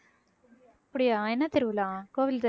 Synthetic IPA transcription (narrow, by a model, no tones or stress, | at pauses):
ɐpːɐɽɪjaːɛnːɐt̪ɪɾʋɯlãːkoːʋɪlt̪ɐ